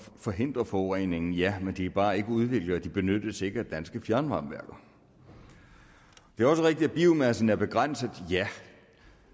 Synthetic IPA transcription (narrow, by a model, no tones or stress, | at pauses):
fɒ̽ɦe̝n̰d̥ʁɐfɒʊʁɛ̰ːne̝ŋn̩jæmend̥ib̥ɑ̈ːe̝ɡ̥əuð̞ˠʋe̝ɡ̥ləæd̥ib̥e̝nød̥əse̝ɡ̥ɐd̥ænsɡ̥əfjæɐnʋɑ̈mʋæɐɡ̥ɐ | d̥e̝æɐɒ̽səʁeɡ̥̚d̥i̥dæb̥iːʊmæsn̩æɐb̥e̝ɡ̥ʁan̰səð̩ˠjæ